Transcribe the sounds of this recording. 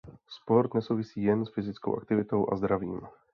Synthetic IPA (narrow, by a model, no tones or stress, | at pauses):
spɔɾd̪ɲɛsuːʋisiːjɛnsfizit͡skɔ̰ʊa̰kt̪iʋit̪ɔʊʔa̰zd̪ɾaʋḭːm